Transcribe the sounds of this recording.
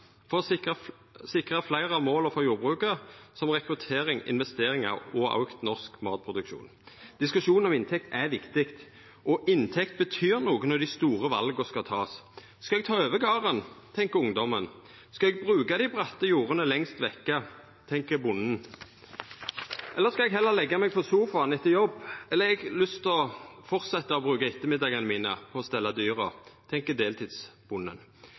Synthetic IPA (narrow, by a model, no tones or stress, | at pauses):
fɔʁɪə | sɪkʁɑflæɪʁəɑʋmoːləfɔjuːɾbʁʉːkəʁəsɔmʁɛkʁʉt̪ʰeːɾɪŋɪ̰nʋɛst̪eːɾɪŋɑ̰ʁɔɑ̰ʉkt̪nɔʁskmɑ̰ːt̪̚pʰʁʊd̪ʉkʃṵːnd̪̥ɪskʉʂuːnn̩ɔmɪnt̪ʰɛk̚t̪æʋɪkt̪ɪkt̪ | ʔɔʔɪnt̪ʰɛkt̪̚bət̪ʰyːʁnuːɡənɔd̪ɪst̪uːʁəʋɑ̰lɡəskɑt̪ʰɑːs | skɑlɛɡ̚t̪ʰɑːøːʋəɡɑːʁənt̪ʰɛŋkəʊŋd̪ɔmən | skɑɛɡ̚bʁʉːɡad̪ɪbʁɑt̪ːəjuːʁənəlɛŋst̪ʋɛkːə | t̪ʰɛŋkəbʊnːn̩ | ʔɛlːəskɑɛɡɦɛlːəlɛɡːɑmɛɡ̚pʰɔsuːfɑnɪt̪ːəjɔbːɛlːəɾɛɡlʏst̪ʰɪɔfɔʁt̪sɛt̪ːɑɔbʁʉːkaɪt̪ːəmɪd̪ɑɡənəmiːnə̰pʰɔɔst̪ɛlːɑd̪yːʁə̰t̪ʰɛŋkəd̪eːlt̪ʰɪd̪sb̥ʊnːə̰n